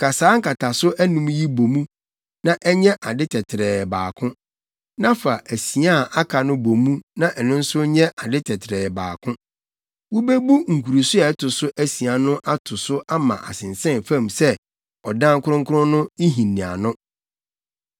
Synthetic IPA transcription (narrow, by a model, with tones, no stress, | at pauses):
kʰa˨saː˦ŋ̩˦ka˨tʰa˨sʊ˦ʔæ˦nũ˨mji˦bo˨mũ˦ | nã˦ʔɛ˦ɲɛ̃˦ʔa˨dɪ˦tʰɛ˨tʰɪ˨ɾɛː˨baː˨kʰʊ̃˦ | nã˦fa˨ʔæ˨si˨a˦˨a˦kʰa˨nʊ̃˦bo˨mũ˦nã˦ʔɛ˨nʊ̃˦n̩˦sʊ˦ɲɛ̃˦ʔa˨dɪ˦tʰɛ˨tʰɪɾɛː˨baː˨kʰʊ̃˦ | wʊ˦be˦bu˦ŋ̩˨kʰu˨ɾu˨sʊ˦ɛ˨˦tʰʊ˨sʊ˦ʔæ˦si˨a˨nʊ̃˦ʔa˦tʰʊ˨sʊ˦ʔa˦mã˨ʔa̰˨sɪ̃˨nsɛ̃˦˨n˨fã˦˨msɛ˦ | ɔ˨dã˦ŋ˦kʰʊ˦ɾʊ̃˦ŋ̩˦kʰʊ˦ʊ̃˦nʊ̃˦i˦ɦĩ˨nːĩ˨a̰˨nʊ̃˦